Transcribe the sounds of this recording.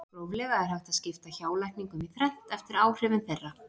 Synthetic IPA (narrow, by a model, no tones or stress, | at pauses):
ɾoːwvlɛːɣaðɪɾ̥hawt̪aðscɪft̪açaːwlajhkniŋkʏmiθɾɛn̥t̪ɛft̪ɪɾaːwr̥ɪvɪnθerːa